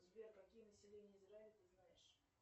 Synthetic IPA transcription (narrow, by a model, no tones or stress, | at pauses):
zbʲerkɐkʲijənəsʲɪlʲenʲɪjəɪzɾaɪlʲɪt̪ɨznajɪʂ